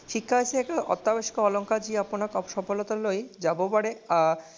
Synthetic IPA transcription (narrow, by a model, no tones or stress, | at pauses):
ʃikʰːaesʰeɛkaɔ̰t̪ːabaʃi̥koɔloŋkad͡ʑiaponaɾkɔpʃɔpolɔt̪alojd͡ʑabobaɽe